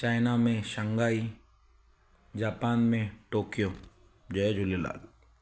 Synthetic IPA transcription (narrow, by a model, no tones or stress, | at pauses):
t͡ʃaːɪnamẽʃə̃ŋɡaːi | d͡ʒaːpaːnmẽʈoːkijo | d͡ʒɐd͡ʒʱʊlela̰ːɡe